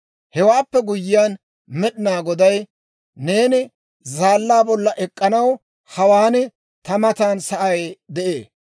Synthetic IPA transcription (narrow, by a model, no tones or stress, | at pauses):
hɛwaːpːɛɡʊjːɪjaːn | mɛɗɪnaːɡɔd̪ɐj | neːnɪ | zaːlːaːbɔlːɐʔɛkʼːɐnɐw | hɐwaːnɪ | t̪ɐmɐt̪aːnsɐʔɐjd̪ɛʔeː